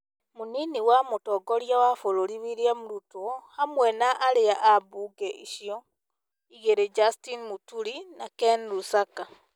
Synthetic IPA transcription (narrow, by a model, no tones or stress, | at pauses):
muniniwamotɔɡɔɾjawafoɾoɾiβiɾjamuɾutohamwɛnaʔaɾeaʔabuɡɛʔiʃiɔ | iɣeɾed͡ʒastinmutuɾinakɛnɾusaka